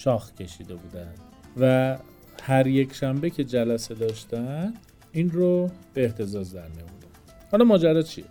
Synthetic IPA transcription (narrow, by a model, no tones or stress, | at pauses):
ʃɒːxcʲʰe̞ʃiːd̪e̞buːd̪ænd̪̥ | væ | hæɾje̞cʰʲʃæmbecʲʰe̞d͡ʒælæse̞d̪ɒːʃt̪æn | inrob̥eːht̪ʰe̞zɒzd̪æɾmijomud̪æ | hɒlɒmɒːd͡ʒæɾɒːt͡ʃʰie